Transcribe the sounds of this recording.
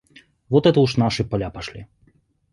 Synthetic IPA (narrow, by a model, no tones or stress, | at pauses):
vɔt̪ɛt̪uʃnaʃipalʲapaʃlḭ